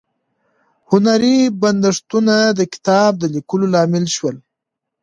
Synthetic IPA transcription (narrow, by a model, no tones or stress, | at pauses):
hʊnaɾiband̪aʂt̪unad̪əkɪ̥t̪ɑb̚d̪əlikəlolɑmɪlʃwəl